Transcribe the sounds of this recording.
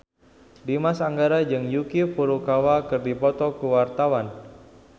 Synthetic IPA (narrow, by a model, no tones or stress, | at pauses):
dimasaŋɡaɾad͡ʒɨŋjukipuɾukawakɨrdipɔt̪ɔkuwart̪awan